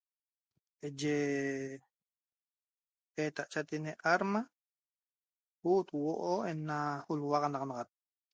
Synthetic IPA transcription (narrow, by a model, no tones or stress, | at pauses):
ed͡ʒe | et̪aʔt͡ʃat̪ineʔaɾma | hut̪woʔoenːahulwaʁɑnɑʁɑnɑʁat̪̚